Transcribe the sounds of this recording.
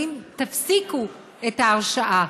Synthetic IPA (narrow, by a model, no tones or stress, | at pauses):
imt̪afsiku | etaːʁʃaʔa